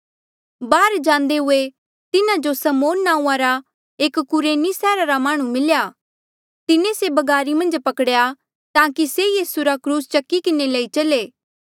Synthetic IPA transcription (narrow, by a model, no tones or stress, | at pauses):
baːɾd͡ʒãːnd̪eɦʊe | t̪ɪnad͡ʒosɐmoːnːãːũːãɾa | eːkkʊɾeːnisɛːɾaɾamaːɽ̃ũmɪlja | t̪ɪnẽsebɐɡaːɾimɐ̃nd͡ʒpɐkɽja | t̪ãːkisejiːsuɾakɾuːst͡ʃɐkːikɪneleːit͡ʃɐleː